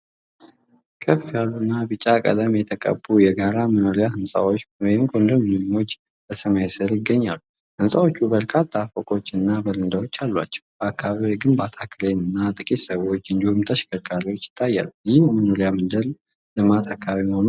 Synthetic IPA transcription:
kʼʰəfːijalːunːabɨt͡ʃʼakʼə̰d̪əmjɛt̪ʰəkʼə̰bujɛɡaɾaməno̞ɾijahɨnsʼa̰wo̞t͡ʃːwɔjɪmkʰond̪əmmo̞t͡ʃː | b̥əsəmajsəɾjɪɡːəɲːalːu | hɨnsʼawo̞t͡ʃːubəɾkʰat̪ʰːafokʼo̞t͡ʃːɨnːabəɾɨnd̪awo̞t͡ʃːalːwa̰t͡ʃːɛ̥wb̥əakʰːaβaβiwoɡɨnbat̪ʰakʰɨlenɨnːat̪ʼɨkʼit̪səβwo̞t͡ʃːɨnd̪ihumt̪ʰəʃkʰəkʼːaɾiwo̞t͡ʃːɪ̥t̪ʰːajːa̰lːujɪhjɛmənoɾijamɨnd̪əɾ | lɨmat̪ʰakːaβaβiməhonu

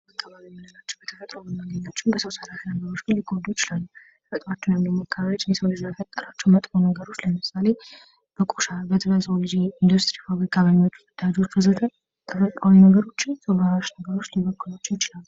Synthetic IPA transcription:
akʰːəβaβijɛmːinəlat͡ʃːɛwbət̪ʰə̥fət̪ʼɾoməmaɡəɲːat͡ʃːɛnbəsowsəɾafinəɡəɾo̞t͡ʃːɡɨnliɡod̪ujɪt͡ʃʼɪlalːu | fət̪ʼwat͡ʃːɛwnjɛmimːakːəβaijot͡ʃːnɛsəwlɨd͡ʒlajfət̪ʼːəɾat͡ʃːɛwmət̪ʼfonəɡəɾo̞t͡ʃːləmɨsale̞ | b̥əkʼoʃabət̪ʰɨβəsowld͡ʒiind̪ust̪ʼɾifaβɾikʰaβəmot͡ʃːɨd̪̥ad͡ʒo̞t͡ʃːʰəzət̪ʰən | t̪ʰəfət̪ʼawinəɡəɾo̞t͡ʃːɪnsʰəwaɾaʃnəɡəɾo̞t͡ʃːliβəkːulat͡ʃːɛwjɪt͡ʃʼɪlalːu

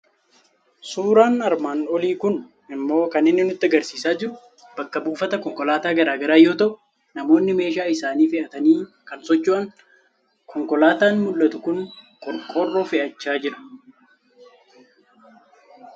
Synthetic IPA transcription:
suːɾaːnɐɾmaːnɔliːkʊn | ɪmːo̞ːkɐnɪnːɪnʊt̪ːɪɐɡɐɾsiːsaːd͡ʒɪɾʊ | b̥ɐkːɐbuːfɐt̪ɐkɔŋkɔlaːt̪aːɡɐɾaːɡɐɾaːjoːt̪ɐʔʊ | nɐmo̞ːnːɪme̞ːʃ̬aːɪsaːniːfɪʔɐt̪ɐniː | kɐnsɔt͡ʃːuɐŋ | kʰɔŋkɔlaːt̪aːnmʊlːɐt̪ʊkʊnkʼɔɾkʼoːrːofɪʔɐt͡ʃːaːd͡ʒɪɾɐ̥

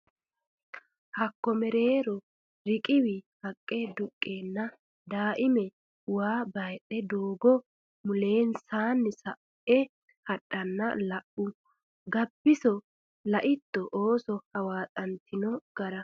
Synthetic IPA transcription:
hɐkːɔmɛɾe̞ːɾɔ | ɾɪkʼɪwɪhɐkʼːed̪ʊkʼːeːnːɐ | d̪aːʔɪmɛ | waːbɐjɗɛd̪oːɡɔ | mʊle̞ːnsaːnːɪsɐ | ɛ | hɐɗːɐnːɐ̰lɐʔʊ | ɡɐbːɪsɔ | lɐʔɪt̪ːɔʔoːsɔhɐwaːtʼɐnt̪ʰːɪnɔɡ̥ɐɾɐ

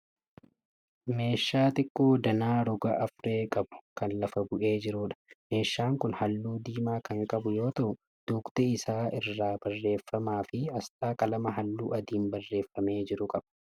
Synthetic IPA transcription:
me̞ːʃːaːt̪ɪkʼːoːd̪ɐnaːɾʊɡɐʔɐfɾe̞ːkʼɐbʊ̥kɐnlɐfɐbʊʔe̞ːd͡ʒɪɾuːᶑɐ̥me̞ːʃːaːŋkʊnhɐlːuːd̪iːmaːkɐŋkʼɐbʊjo̞ːt̪ɐʔʊ | d̪̥uːkt̪ɛɪsaːɪrːaːbɐrːe̞ːfːɐmaːfɪɐst̪ʼaːkɐlɐmɐɦɐlːuːɐd̪iːnbɐrːe̞ːfːɐme̞ːd͡ʒɪɾʊkʼɐbɐ̥

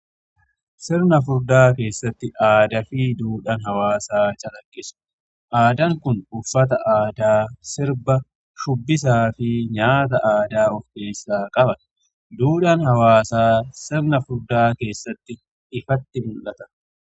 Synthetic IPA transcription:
sɪɾnɐfʊɾd̪aːke̞ːsːɐt̪ːɪʔaːd̪ɐfɪd̪uːᶑɐnɦɐwaːsaːt͡ʃʼɐlɐkʼːɪsʊ̥ | ʔaːd̪ɐŋkʊnʊfːɐt̪ɐʔaːd̪aːsɪɾbɐ | ʃʊbːɪs̬aːfɪɲaːt̪̬ɐʔaːd̪aːɔfke̞ːsːaːkʼɐbɐ | d̪uːᶑɐnhɐwaːsaːsɪɾnɐfʊɾd̪aːke̞ːsːɐt̪ːɪ | ɪfɐt̪ːɪmʊlʔːɐt̪ɐ

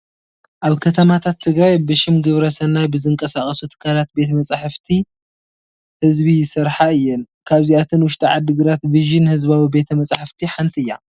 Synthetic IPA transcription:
ʔaβkʰɐt̪ʰɐmat̪ʰat̪ʰːɨɡɾajbɨʃɪmɡɨβɾɐsɐnajbɨzɨŋkʼɐsaxʼɐsut̪ʰɨ̥kʰːalat̪̚be̞t̪ʰɐmɐt͡sʼaħɨft̪ʰi | hɨzbijɪsɐɾħaɨjːɪn | kʰaβziat̪ʰɨnwʊʃt̪ʼiʕad̪ɨɡɨɾat̪viʒɪnhɨzβawibe̞t̪ʰɐmɐt͡sʼħɨft̪ʰiħant̪ʰiɨjːa̰

